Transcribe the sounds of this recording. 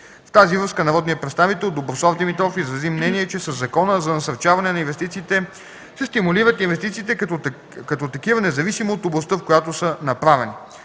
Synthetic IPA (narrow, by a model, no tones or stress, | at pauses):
ft̪azivɾɤskənɐɾɔd̪nijəpɾɛt̪st̪avit̪ɛlˠd̪obɾosɔvd̪imit̪ɾɔfizɾɐzimnɛniɛt͡ʃɛsɐzːɐkɔnəzɐnɐsɐɾt͡ʃavɐnɛnɐinvɛst̪it̪siːt̪ɛ | sɛst̪imuliɾət̪invɛst̪it̪siːt̪ɛ | kɐt̪ɔt̪ɐkivənɛzɐvisimoːt̪oblˠɐst̪əfkojat̪osənɐpɾavɛni